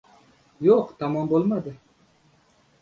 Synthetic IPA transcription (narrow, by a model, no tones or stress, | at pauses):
joqt̪ʰɑmɒmbolˠmad̪ɪ